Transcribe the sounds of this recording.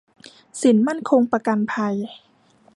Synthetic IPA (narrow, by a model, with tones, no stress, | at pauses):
si˨˩˦nma˥˩nkʰo˧ŋpa˧ka˧npʰa˧j